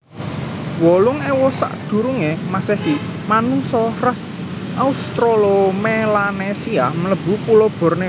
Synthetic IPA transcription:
wɔlʊŋɛwɔsa̰ʔd̪̥ṳɾuŋemasɛhi | manuŋsɔrəs | ʔaust̪ɾolomelanesiamələb̥ṳpulob̥ɔ̤rne

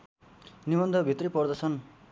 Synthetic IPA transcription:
nibʌnd̪ʱʌbʱit̪ripʌrd̪ʌt͡sʰʌn

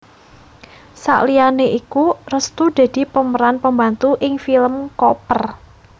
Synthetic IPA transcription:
sa̰ʔlianeʔikurəst̪ud̪̥e̤d̪̥i̤pəməɾanpəmbant̪uʔɪŋfiləmkɔpər

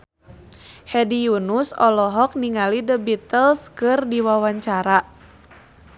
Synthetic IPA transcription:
hɛdijunusɔlɔɦɔk̚niŋalidəbit̪əlskɨrdiwawaɲt͡ʃaɾa

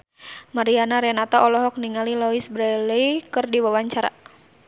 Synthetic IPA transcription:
maɾianaɾɛnat̪aʔɔlɔɦɔk̚niŋalilɔisbɾɛlɛikɨrdiwawaɲt͡ʃaɾa̰

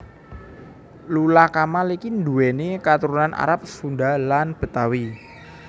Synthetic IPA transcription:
lulakamalikind̪uwɛnekat̪uɾunanʔa̰ɾap̚sundalanb̥ə̤t̪awi

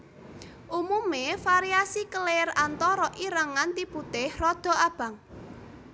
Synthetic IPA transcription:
ʔumumefaɾiasikəlerant̪ɔɾɔʔiɾaŋant̪ibut̪ɪhrɔd̪̥ɔ̤ab̥a̤ŋ

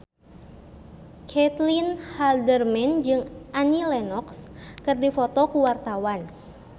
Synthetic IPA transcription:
kʰɛt̪linhaldərmɛnd͡ʒɨŋʔanilɛnɔkskɨrdifɔt̪ɔkuwart̪awan

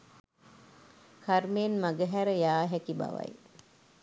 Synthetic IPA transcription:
kʰarmeːnmaɡəɦæɾəjaːɦækiba̰ʋa̰j

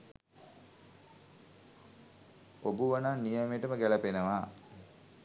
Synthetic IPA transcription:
obuʋananːijameʈəməɡæləpenəʋa

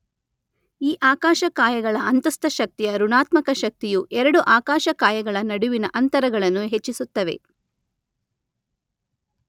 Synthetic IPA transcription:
iːʔaːkaːʃɐkaːjɐɡɐɭɐɐnt̪ɐst̪ɐʃɐk̚t̪ijɐɾuɳaːt̪mɐkɐʃɐk̚t̪ijuʔɛɾɐɽuʔaːkaːʃɐkaːjɐɡɐɭɐnɐɽuʋinɐʔɐnt̪ɐɾɐɡɐɭɐnːuɦet͡ʃːisut̪ːɐʋe̞̰

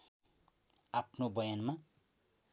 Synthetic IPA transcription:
apʰnobʌjanma

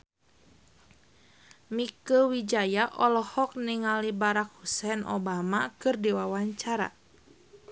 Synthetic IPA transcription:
mikəwid͡ʒajaʔɔlɔhɔk̚niŋalibaɾak̚husɛnʔo̰bamakɨrdiwawaɲt͡ʃaɾa̰

